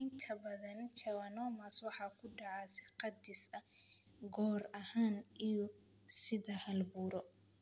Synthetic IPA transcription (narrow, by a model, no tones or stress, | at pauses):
ʔɪnt̪ʰɐbɐðɐnt͡ʃʰɐwɐnɔːmɐswɑħɑːkʰʊɖɑʕɑːsɪqɐd̪ɪsɐ | ɡɔːrɐhaːnijɔ | sɪðɐhɐlbuːɾɔ